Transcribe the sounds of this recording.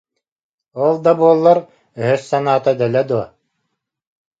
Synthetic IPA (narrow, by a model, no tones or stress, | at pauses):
ɔlˠd̪abuɔlˠːaɾ | œɦœsːanaːt̪ad̪ɛlʲɛd̪uɔ